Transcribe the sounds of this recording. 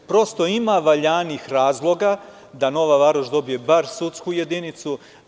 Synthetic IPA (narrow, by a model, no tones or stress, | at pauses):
pɾo̞st̪o̞imaʋaʎaːnixɾaːzlˠo̞ɡa | d̪ano̞ʋaʋaːɾoʃd̪o̞bije̞baɾsut̪skuje̞d̪init̪su